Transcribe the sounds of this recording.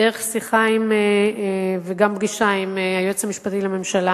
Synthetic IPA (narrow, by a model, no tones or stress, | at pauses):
deeχsiχaime | veɡambɡiʃaimeajot͡shamiʃpat̪ilame̞mʃala